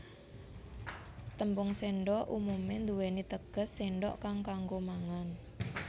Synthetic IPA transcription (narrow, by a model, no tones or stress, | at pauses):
t̪əmbʊŋseɳɖɔʔumumend̪uwenit̪əɡ̥ə̤sːeɳɖɔ̰ʔkaŋkaŋɡomaŋan